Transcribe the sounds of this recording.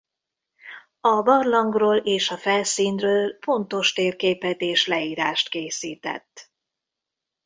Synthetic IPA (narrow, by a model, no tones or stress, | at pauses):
ɒbɒrlɒŋɡroːleːʃɒfɛlsiːnrøːlfo̞nt̪o̞ʃt̪eːrpkeːpɛt̪eːʃlɛiːɾaːʃt̪keːsiːt̪ɛ̰t̪ː